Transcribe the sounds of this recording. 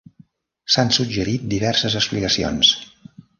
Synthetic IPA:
sansud͡ʒəɾit̪̚d̪iβɛrsəzəkspliɣəsio̰ns

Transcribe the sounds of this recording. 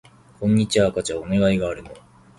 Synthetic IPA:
kʰõ̞ɲ̟ːit͡ɕiβaːkat͡ɕaone̞ɡaiɡaːɾɯ̟no̞

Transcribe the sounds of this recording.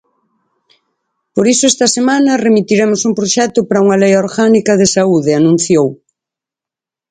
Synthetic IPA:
poɾisʊɛst̪ɐsemãnɐremit̪iɾemʊsumpɾoʃɛt̪ʊpaɾɐuŋɐlejoɾɣanikɐðesauðeanũn̟θjow

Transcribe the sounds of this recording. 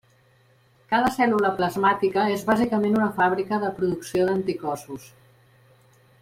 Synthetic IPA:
kað̞əsɛluləpləzmat̪ikəezβazikəmenunəfaβɾikəðəpɾuðuksioðənt̪ikɔsus

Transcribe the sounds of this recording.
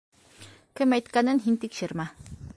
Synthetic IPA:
kɘmæjt̪kænɘnɦint̪ikʃɘɾmæ

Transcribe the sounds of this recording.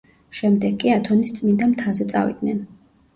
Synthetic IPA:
ʃɛmd̪ɛɡʼiat̪ʰɔnist̪sʼmind̪amt̪ʰazɛt̪sʼa̰vḭd̪̚nɛn

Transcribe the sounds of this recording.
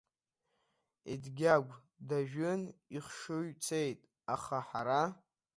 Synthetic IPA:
ḭdɡʲaɡʷ | daʒᶣɨniχʂɨɥt͡sʰe̞jtʼ | aχaħaɾa

